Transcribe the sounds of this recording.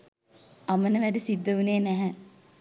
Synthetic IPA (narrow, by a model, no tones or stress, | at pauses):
amənəʋæɖəsid̪ːəuneːnæɦɛ